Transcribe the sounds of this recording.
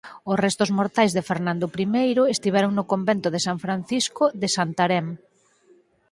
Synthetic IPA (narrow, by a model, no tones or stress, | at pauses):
ʊsrɛst̪ʊzmoɾt̪ajzðefeɾnãnd̪ʊpɾimejɾʊest̪iβ̞ɛɾoŋnʊkombent̪ʊðesaɱfɾan̟θiskʊðesant̪aɾɛm